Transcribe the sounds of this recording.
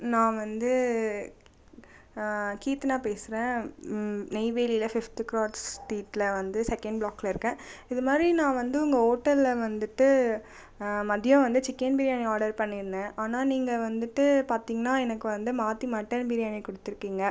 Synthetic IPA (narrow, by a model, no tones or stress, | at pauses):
nãːʋɐnd̪ɯ | kiːt̪ɯnaːpeːsɯɾẽː | nɛɪʋeːliɪlɐfɪft̪ɯkɾoːʈsʈiːʈlɐʋɐnd̪ɯsɛkːɛɳɖbɭaːkːlɐɪɾɯkːẽːɪðɯmaːd̪ɾinãːʋɐnd̪ɯʊŋɡɐoːʈːɐlʋɐnd̪ɯʈːɯ | mɐðɪjʊ̃ʋɐnd̪ɯt͡ʃɪkːɐnbɪːɾɪjaːniaːɾɽɐɾpɐɳːɪɾɯnd̪ẽʔaːnaːniːŋɡɐʋɐnd̪ɯʈːɯpaːɾt̪iːŋɡɐnaːɛnɐkːɯʋɐnd̪ɯmaːt̪ːimɐʈːɐɾnbɪɾɪjaːnikɔɽɯt̪ːɪɾɯkːiːŋɡɐ